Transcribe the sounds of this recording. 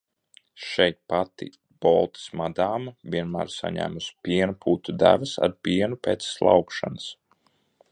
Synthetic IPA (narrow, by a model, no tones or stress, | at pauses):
ʃɛjt̪̚pat̪ḭ | b̥ɔ̰lˠt̪i̥smad̪aːmɐvʲiɛnmæːɾsa̰ɲæ̰ːmuspʲiɛnupʰuːt̪ud̪æ̰vəsa̰ɾpʲiɛnupʲɛt̪sslˠa̰wkʃa̰nəs